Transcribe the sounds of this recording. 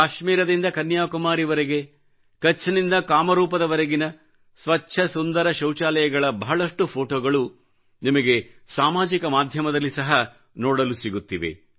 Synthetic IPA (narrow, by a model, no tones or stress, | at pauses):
kaːʃmiːɾɐd̪ind̪ɐkɐnjaːkumaːɾiʋɐɾeɡe̞ | kɐt͡ʃʰːɐnind̪ɐkaːmɐɾuːpɐd̪ɐʋɐɾɐɡinɐ | sʋɐtːʃʰɐsund̪ɐɾɐʃɐwt͡ʃaːlɐjɐɡɐɭɐbɐɦɐɭɐʂʈupʰoːʈoːɡɐɭu | nimɐɡe̞saːmaːd͡ʒikɐmaːd̪ʱjɐmɐd̪ɐlːisɐɦɐ | nɔːɽɐlusiɡut̪ːiʋḛ